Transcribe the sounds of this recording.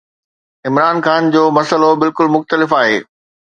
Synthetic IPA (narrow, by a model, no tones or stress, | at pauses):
ɪmɾaːnxaːnd͡ʑoːmɐsəlobɪlkʊlmʊxt̪əlɪfaːɦḛː